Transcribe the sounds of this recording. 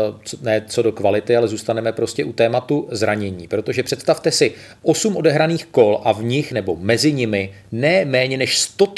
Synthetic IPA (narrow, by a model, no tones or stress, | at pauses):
nɛːt͡so̞dokvalɪt̪ɪalɛzuːst̪anɛmɛpɾo̞scɛʔut̪ɛːmat̪uzɾaɲɛɲiːpɾo̞t̪o̞ʒɛpr̝̥ɛt̪st̪aft̪ɛsɪ | ʔo̞sumʔo̞dɛɦɾaniːxko̞lʔavɲɪxnɛbo̞mɛzɪɲɪmɪ | nɛːmɛːɲɛnɛʃst̪o̞